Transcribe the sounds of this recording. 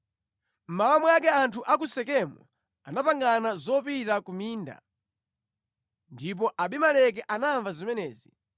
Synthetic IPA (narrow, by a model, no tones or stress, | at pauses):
m̩maamujak̬ɛantʰuʔak̬usɛkɛmɔ̰ | anapaŋɡanazɔpiɾakumiːnda̰ | ndip̬ɔʔaɓimalɛk̬ɛʔanaɱvazimɛnɛːzi